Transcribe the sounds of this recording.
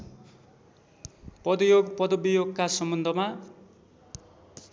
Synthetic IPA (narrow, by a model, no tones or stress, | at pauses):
pʌd̪ujoɡpʌd̪ʌbijoɡkasʌmbʌnd̪ʱʌma